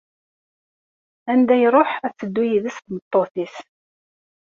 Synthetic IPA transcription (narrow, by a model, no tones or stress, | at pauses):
ænd̪æjɾˤoħæt͡sːəd̪ːujiðəsθmət̪ˤːoθis